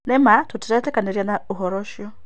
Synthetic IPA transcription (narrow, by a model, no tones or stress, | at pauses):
nɛmatʰutʰiɾatɛkʼanɛɾjanauɦɔɾɔʃɔ